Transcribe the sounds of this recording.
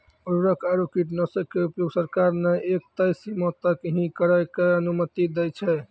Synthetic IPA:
uɾuɾəkʰaɾokiʈnəsəkkːeupjoɡsəɾkaɾnəʔek̚t̪əjsimɔ̃t̪əkɦĩkəɾajkeənumət̪id̪ɛt͡ʃʰɛ

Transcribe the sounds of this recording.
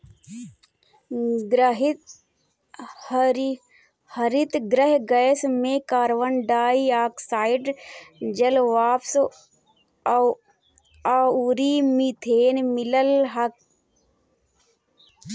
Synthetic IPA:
ɾɦ | h | hɐɾit̪ɡɾəɦɡɐesmẽːkaːɾʋənɖaːiaːksaːɪɖd͡ʒɐlʋaːps | auːɾiːmit̪ʰeːnmɪləlɦɐk̚

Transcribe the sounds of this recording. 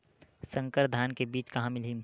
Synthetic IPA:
sə̃ŋkəɾd̪ʱaːnkebiːt͡ʃkɐɦãmɪlɦim

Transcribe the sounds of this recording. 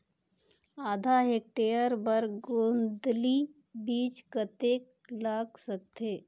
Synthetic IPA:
aːd̪ʱaɦeːk̚ʈeːəɾbəɾɡõːnd̪li | biːt͡ʃkət̪eːk | laːɡsək̚t̪ʰeː

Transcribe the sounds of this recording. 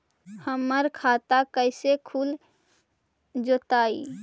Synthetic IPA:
həmːəɾkʰat̪akəɪsekʰul | d͡ʒot̪ai

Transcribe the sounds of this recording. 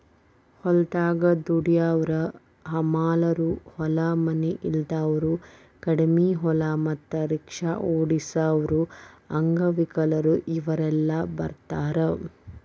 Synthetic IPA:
hɔlt̪aːɡɐd̪uɽijaʋɐɾɐ | ɦɐmaːlɐɾuhɔlɐmɐneʔild̪aːʋɐɾu | kɐɽmiɦɔlɐmɐt̪ːɐɾikʂaʔoːɽisaːʋɐɾuɐŋɡɐʋikɐlɐɾuʔiʋɐɾɛlːɐbɐ̰ɾt̪aːɾɐ

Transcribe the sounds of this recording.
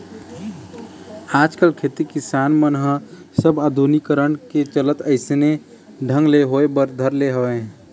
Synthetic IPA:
aːd͡ʒkəlkʰet̪ikisaːnmənɦə̃ | səbad̪ʱunikəɾəɳket͡ʃələt̪əɪsne | ɖʱə̃ŋɡleɦoebəɾd̪ʱəɾleɦəʋe

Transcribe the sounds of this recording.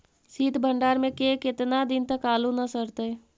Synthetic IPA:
siːt̪bʱə̃ɳɖaːɾmẽkekɪt̪nad̪ɪnt̪ɐkaːlunɐsəɾt̪e

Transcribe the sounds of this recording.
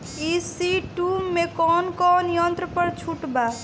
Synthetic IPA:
isiʈumːekɔnkɔnjənt̪ɾəpəɾt͡ʃʰuʈba

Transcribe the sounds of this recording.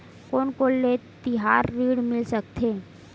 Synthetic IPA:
koːnkoːlːet̪ɪɦaːɾːiːɽmɪlsək̚t̪ʰeː

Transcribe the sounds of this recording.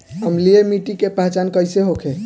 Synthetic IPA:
əmliemiʈikepaɦt͡ʃankəjseɦokʰe

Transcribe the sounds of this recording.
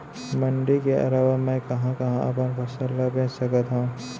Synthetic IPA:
mɐɳɖikeʔɐ̰laʋamɛ̃kɐɦãkɐɦãʔɐpənpʰɐsəlːabẽːsɐkət̪ɦõ

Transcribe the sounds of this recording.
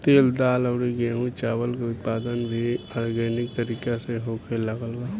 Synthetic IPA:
t̪eːld̪aːlɐʋɽiɡeɦũt͡ʃaːʋəlkeʊt̪̚paːd̪ənbʱiaːɾɡɛːnɪk̚t̪ɐɾiːkeseɦoːkʰelɐɡəlɡaː

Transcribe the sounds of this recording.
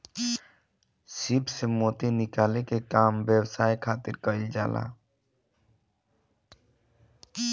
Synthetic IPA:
sibsemoːt̪inɪkaːlekekaːmbəwsaːjkʰaːt̪ɪɾkəild͡ʒa̰ːlʔa̰ː

